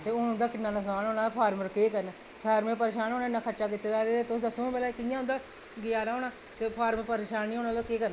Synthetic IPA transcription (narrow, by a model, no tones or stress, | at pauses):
t̪eːʊʊ̃nd̪aːkɪnːãːnəsaːnɦoːnãːpʰaːɾməɾkeːkəɾn | pʰaːɾmẽːpəɾeːʃaːnɦoːnaːɪnːãːkʰəʈːt͡ʃaːk̬it̪ːeːd̪aːd̪eːt̪eːt̪ʊsd̪əsõːbɛːlaːikɪjãːʊ̃nd̪aː | ɡɪjaːɾaːɦoːnaː | t̪eːpʰaːɾməpəɾeːʃaːnːĩːɦoːnãːloːkeːkəɾn